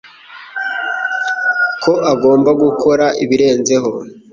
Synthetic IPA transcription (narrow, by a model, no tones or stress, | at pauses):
kʰo̞ʔaɡo̞ːmbaɡukʰo̞ɾaʔiβiɾe̞ːnze̞ɦo̞